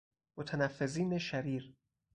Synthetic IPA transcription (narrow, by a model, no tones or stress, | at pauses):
mot̪ʰænæfːeziːneʃæɾiːɾ